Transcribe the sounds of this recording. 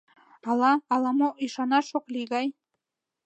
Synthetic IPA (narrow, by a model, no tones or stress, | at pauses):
ɑlˠɑːlˠɑmoʔiʃɑnɑʃokliɣɑj